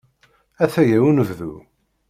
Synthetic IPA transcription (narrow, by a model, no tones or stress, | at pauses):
æθæjæwunvðṵ